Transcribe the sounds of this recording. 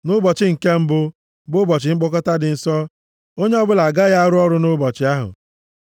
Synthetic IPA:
nʊ˦bɔ˨t͡ʃɪ˦ŋ̩˨ke˦m̩˦bʊ˦ | bʊ˦bɔ˨t͡ʃɪ˨ŋ͡m̩˦ɡ͡bɔ˦kɔ˦ta˦dɪ˨n̩˨sɔ˦ | o˦ɲe˦ɔ˦bʊ˦la˨ɡa˦ɣa˦a˦ɾʊ˦ɔ˦ɾʊ˦nʊ˦bɔ˨t͡ʃɪ˦a˦ɦʊ̰˨

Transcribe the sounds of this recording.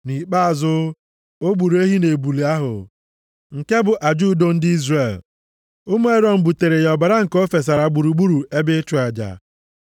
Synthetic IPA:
ni˨k͡pa˦a˨zʊ˦ | o˦ɡ͡bu˨ɾu˨˦e˦ɦi˦ne˨bu˨li˨a˦ɦʊ̰˨ | ŋ̩˨ke˦bʊ˨ʔa˨d͡ʒu˦˨˦do˦n̩˦di˦zre˨l | ʊ˦mu˦e˦ɾɔ˨m̩˦bu˨te˨ɾe˨jɔ˨ba˨ɾa˦ŋ̩˨ko˦fe˨s̬a˨ɾa˨ɡ͡bu˨ɾu˨ɡ͡bu˦ɾu˨e˦bɪ˦t͡ʃu˨˦a˨d͡ʒa̰˨

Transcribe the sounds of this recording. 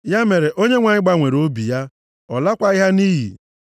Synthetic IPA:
ja˦me˨ɾe˨ʔo˦ɲe˦ŋʷa˨ɲɪ˦ɡ͡ba˦ŋʷe˨ɾo˦bi˨ja˦ | ɔ˨la˦kʷa˦i˦ɦa˦ni˦ɦḭ˨

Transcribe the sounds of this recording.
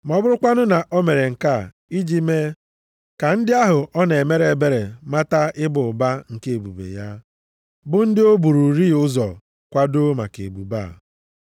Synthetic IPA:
m˨ɔ˦˨bʊ˦ɾʊ˦kʷa˦nʊ˦na˨ʔo˦me˨ɾe˨ŋ̩˨ka˦˨ | i˦d͡ʒi˦me˦ | ka˨n̩˦dɪ˦a˦ɦʊ˨ʔɔ˦ne˨e˨me˦ɾe˨be˦ɾe˨ma˦ta˦ɪ˦bʊ˨ba˦ŋ̩˨ke˦e˨bṵ˨bḛ˨ja˦ | bʊ˦n̩˦dɪ˦o˦bu˨ɾu˨ɾi˦˨ʊ˦zɔ˨ | kʷa˦do˦ma̰˨kḛ˨bṵ˨ba˦˨

